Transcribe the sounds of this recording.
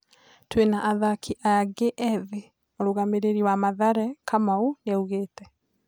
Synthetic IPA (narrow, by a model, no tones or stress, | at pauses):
twenaʔːðakʰiʔaaɡeʔɛði | oɾoɣameɾeɾiwamaðaɾɛkamauneuɣeːtɛ